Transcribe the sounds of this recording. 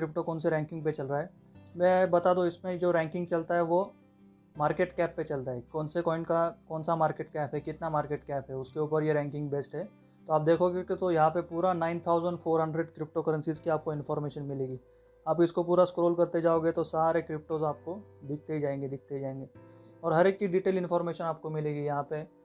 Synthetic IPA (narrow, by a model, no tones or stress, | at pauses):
kɾɪp̚ʈokɔːnseɾɛ̃ːŋkɪ̃ŋɡ̚pet͡ʃɐlɾaɦɛː | mɛ̃ːbɐt̪aːd̪õɪsmẽd͡ʒoːɾɛ̃ːŋkɪ̃ŋɡt͡ʃɐlt̪aɦɛʋo | maːɾkeːʈkɛːpːet͡ʃɐlt̪aɦɛkɔːnsekɔːɪ̃ɳʈkakɔːnsamaːɾkeːʈ̚kɛːpɦɛkɪt̪namaːɾkeːʈkɛːpɦɛʊskeuːpəɾjeɾɛ̃ːŋkɪ̃ŋɡbeːsʈɦɛː | t̪oaːp̚d̪eːkʰoɡekt̪ojɐɦãpepuːɾanaːɪnt̪ʰaːʊzə̃ɳɖfʰoːɾɦɐ̃ɳɖɾeɖkɾɪp̚ʈokɐɾə̃nsizkiaːp̚koɪ̃nfɔːɾmeːʃənmɪleːɡiː | aːpɪskopuːɾaskɾoːlkɐɾt̪ed͡ʒaːoːɡet̪osaːɾekɾɪp̚ʈozaːp̚kod̪ɪk̚ʰt̪ed͡ʒaːẽːŋɡed̪ɪk̚ʰt̪ed͡ʒaːẽːŋɡeːɔːɾɦɐɾeːkːiɖiːʈeːlɪ̃nfɔːɾmeːʃənaːp̚komɪleːɡijɐɦãpe